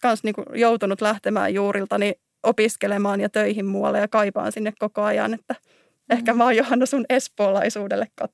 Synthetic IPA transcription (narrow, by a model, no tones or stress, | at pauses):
kɑnsniːŋkujowt̪unut̪læht̪emæ̰ːjjuːɾilt̪ɑni | ʔopiskelemɑːnjɑt̪øiɦimmuɑ̰lːejɑkɑipɑ̰ːnsinːekkokoɑjɑ̰net̪ːæ | ehkæmɑːjohɑnːosunespoːlɑisuːdelːekkɑt̪